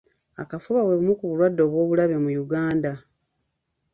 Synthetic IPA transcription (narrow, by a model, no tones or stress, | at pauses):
akafuβaweβimukuβulwadːo̞ːβwo̞ːβulaβe̞mujuɡaːnda